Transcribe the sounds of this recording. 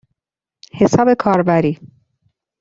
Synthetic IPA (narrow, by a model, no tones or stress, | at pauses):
he̞sɒːbe̞kʰɒːɾbæɾiː